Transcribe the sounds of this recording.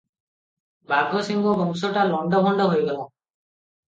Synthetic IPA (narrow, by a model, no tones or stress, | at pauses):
baɡʱɔsiŋɡɔbɔŋsɔʈalɔɳɖɔbʱɔɳɖɔɦojɡɔlã